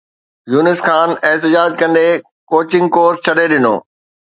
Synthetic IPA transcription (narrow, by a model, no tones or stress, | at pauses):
juːnɪsxʰaːnɪɦt̪ɪd͡ʑaːd͡ʑkɐ̃nd̪e | koːt͡ɕɪ̃ŋɡkoːɾst͡ɕʰɐɗeɗɪno̰ː